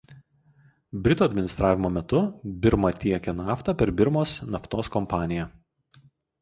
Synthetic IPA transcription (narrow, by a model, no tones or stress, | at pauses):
bʲɾʲɪt̪uːɐd̪ʲmʲɪnʲɪst̪ɾɑːʋʲɪmoːmʲɛt̪ʊbʲɪɾmɐt̪ʲiɛkʲɛnɑːft̪ɐpʲɛɾbʲɪɾmoːsnɐft̪oːskɔmpɑːnʲɪjɛ